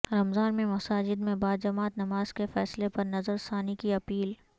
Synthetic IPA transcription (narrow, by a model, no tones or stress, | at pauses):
ɾɐmzaːɾmẽmɐsaːd͡ʒɪd̪mẽbaːd̪d͡ʒɐmaːt̪nɐmaːz̥kefɛːslepɐɾnɐzəɾsaːnikiɐpiːl